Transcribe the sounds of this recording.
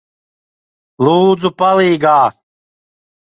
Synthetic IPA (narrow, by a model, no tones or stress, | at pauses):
lˠuːd̪zupaliːɡaː